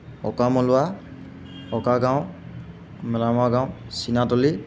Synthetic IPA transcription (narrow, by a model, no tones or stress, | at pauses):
ɔkamɔlʊwa | ɔkaɡãw | mɛlamaɡãw̃sinatɔli